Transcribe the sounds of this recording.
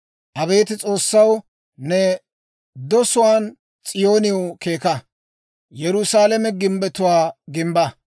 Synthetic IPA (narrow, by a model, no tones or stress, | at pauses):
ʔɐβe̞ːt̪ɪt͡sʼo̞ːsːɐw | nɛ | d̪ɔsʊwaːn | t͡sʼɪjo̞ːnɪwke̞ːkɐ | jɛɾʊsaːlɐmɛɡɪmbɛt̪ʊwaːɡɪmbɐ